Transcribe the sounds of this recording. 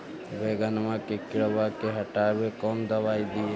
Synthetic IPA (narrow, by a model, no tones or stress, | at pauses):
ʋeɡənmakekɪɾbakeɦəʈabekɔmd̪əʋaːid̪ie